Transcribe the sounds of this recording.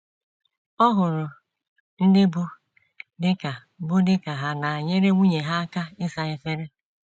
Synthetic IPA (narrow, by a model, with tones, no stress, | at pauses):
ɔ˦ɦʊ˨ɾʊ˨ | n̩˦dɪ˦bu˦ | dɪ˦ka˨ | bʊ˦dɪ˦ka˨ɦa˨na˨ɲe˦ɾe˦ŋʷu˦ɲe˨ɦa˦a˦ka˦ɪ˦sa˨e˦fe˦ɾe˦